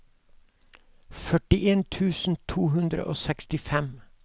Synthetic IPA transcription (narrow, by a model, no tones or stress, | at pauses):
fœʈɪʔeːnt̪ʰʉːsn̩t̪ʰuːhʉnd̪ɾə̰ʔoːsɛkst̪ɪfɛm